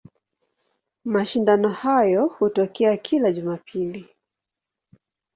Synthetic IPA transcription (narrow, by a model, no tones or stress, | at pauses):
maʃindanɔhajɔhutɔkɛakʰilaʄumapʰili